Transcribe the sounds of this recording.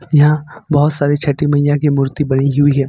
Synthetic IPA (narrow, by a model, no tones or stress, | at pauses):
jɐɦãbɐɦʊt̪saːɾit͡ʃʰɐʈːimɐijãkimʊːɾt̪ibɐniɦʊiɦɛ̃ː